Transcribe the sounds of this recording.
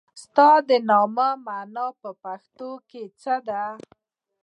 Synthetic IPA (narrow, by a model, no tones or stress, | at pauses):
st̪ɑd̪ənɑmamanɑpəpaxt̪oket͡səd̪a